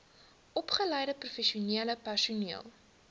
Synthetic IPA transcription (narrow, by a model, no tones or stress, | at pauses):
ʔɔpχəlɛjdəprufɛʃiuniələpærsuniəlˠ